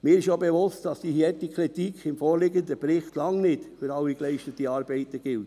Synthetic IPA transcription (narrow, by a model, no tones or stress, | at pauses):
mɪːɾɪʃjobevʊstd̥ɑsd̥iːhiɛtikʰɾitikʰɪmfɔːɾlɪɡənd̪əpɾɪχtlɑŋnɪdfyɾɑwiklɛɪʃtətiɑːɾb̥ɛɪtəɡ̥ɪlt